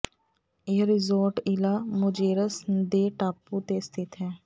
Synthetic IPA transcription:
eːɾɪzoːɾʈɪlaːmʊd͡ʒeːɾəsd̪eːʈaːpːut̪eːst̪ʰɪt̪ɦɛ̃ː

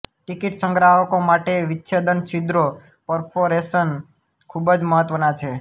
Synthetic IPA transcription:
ʈikiʈsə̃ŋɡɾaɦəkomaʈeʋɪtːʃʰed̪ənsid̪ɾo | pɔɾpʰoɾesən | kʰubəd͡ʒməɦət̪ʋənat͡ʃʰe

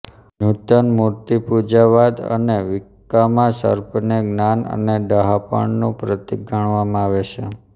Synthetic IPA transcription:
nut̪ənmuɾt̪ipud͡ʒaʋad̪ə̰neʋikːamãsə̰ɾpəneɡnanə̰neɖ̪aɦapə̰ɳnõpɾət̪iɡəɳ̃ʋamãaʋet͡ʃʰe

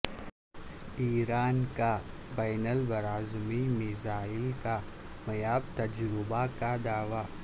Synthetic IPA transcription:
iːɾaːnka | baːnəlbɐɾaːzmimɪzaːɪlka | mɐjaːb̚t̪ɐd͡ʒɾɪbakad̪aːʋaː

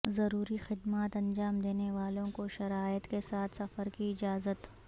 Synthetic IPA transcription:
zɐɾuːɾixɪd̪maːt̪ɐ̃nd͡ʒaːmd̪eːneʋaːlõkoʃɐɾaːjət̪kesaːt̪ʰsɐfəɾkiɪd͡ʒaːzət̪

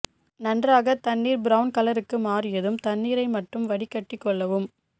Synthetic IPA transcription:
nɐndraːɣɐt̪ɐɳːiːɾbɪɾɐʊnkɐlɐɾɯkːɯmaːrɪjɐðɯmt̪ɐɳːiːɾɐɪmɐʈːɯmʋɐɽɪkːɐʈːɪkːɔɭːɐʋɯm

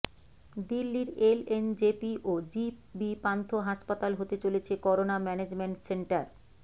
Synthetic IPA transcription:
d̪ilːiɾelend͡ʑepiʔod͡ʑibipant̪ʰoɦaʃpat̪alɦot̪et͡ɕolet͡ɕʰekɔɾonamɛned͡ʑmeɳʈseɳʈaɾ

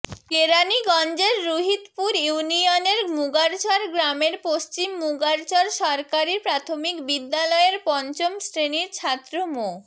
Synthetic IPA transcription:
keɾaniɡɔnd͡ʑeɾːuɦit̪puɾjunioneɾmuɡaɾt͡ɕɔɾɡɾameɾpost͡ɕimːuɡaɾt͡ɕɔɾʃɔɾkaɾiɾpɾat̪ʰomikbid̪ːalɔeɾpɔnt͡ɕomsɾeniɾt͡ɕʰat̪ːɾomo

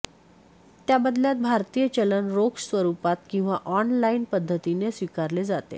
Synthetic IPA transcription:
t̪jabəd̪ljat̪̚bʱaɾt̪ijət͡ɕələnɾoksʋəɾupat̪kĩw̃ʋaʔɔnlainpəd̪ʱːət̪inesʋikaɾled͡zat̪ḛ

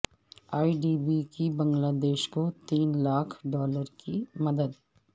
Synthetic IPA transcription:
aːiɖiːbikibɐ̃ŋɡlaːd̪eːʃkot̪iːnlaːkʰɖɔːləɾkimɐd̪əd̪

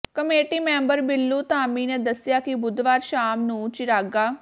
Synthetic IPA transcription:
kəmeːʈiːmɛ̃ːmbəɾbɪlːuːt̪aːmiːnẽːd̪əsɪjaːkɪbʊd̪ʋaːɾʃaːmnũːt͡ʃɪɾaːɡaː

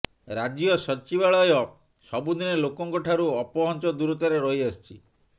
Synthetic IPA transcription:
ɾad͡ʒjɔsɔt͡ʃibaɭɔjɔ | sɔbud̪inelokɔŋkɔʈʰaɾuɔpɔɦɔnt͡ʃɔd̪uɾut̪ɔɾeɾɔɦiɔst͡ʃʰi

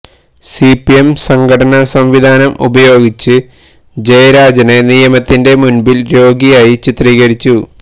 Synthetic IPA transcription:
sipiemsɐŋɡɐʈɐnɐsɐmʋid̪ʱaːnɐmṵbɐjo̞ːɡit͡ɕːɨ | d͡ʑejɐɾaːd͡ʑɐne̞nijɐmɐt̪ːinde̞munbilɾo̞ːɡijaːjit͡ɕit̪riːɣɐɾit͡ɕːu

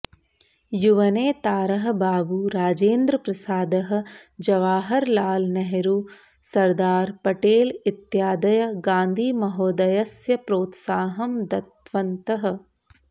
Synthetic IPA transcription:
juʋɐneːt̪aːɾɐɦɐ̆baːbuɾaːd͡ʒeːnd̪ɾɐpɾɐsaːd̪ɐɦɐ̆d͡ʒɐʋaːɦɐɾlaːlnɐɦeɾuː | sɐɾd̪aːɾpɐʈeːlɪt̪jaːd̪ɐjɐɡãːnd̪ʱiːmɐɦoːd̪ɐjɐsjɐpɾoːt̪saːɦɐmd̪ɐt̪ʋɐnt̪ɐɦɐ̆

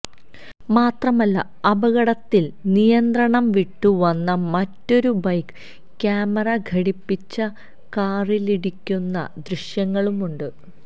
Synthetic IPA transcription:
maːt̪rɐmɐlːɐ̰ | ɐbɐɣɐɽɐt̪ːilnijɐnd̪rɐɳɐmʋiʈːuʋɐnːɐmɐtːo̞ɾubɐjk | kʲːaːmɐrɐɡʱɐɽipːit͡ɕːɐ | kaːriliɽikʲːunːɐ̰d̪riɕjɐŋːɐɭumuɳɖɨ

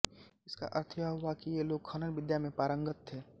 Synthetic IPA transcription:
ɪska̰ʔɐɾt̪ʰjaɦʊakijeloːɡ̚kʰənənʋɪd̪jamẽpaːɾə̃ŋɡət̪ʰːeː

